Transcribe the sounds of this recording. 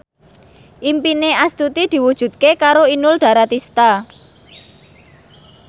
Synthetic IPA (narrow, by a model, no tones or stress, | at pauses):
ʔimpineʔast̪ut̪id̪̥i̤wud̥ʒ̥ṳt̪̚kekaɾoinʊlɖ̪̥ä̤ɾat̪ist̪a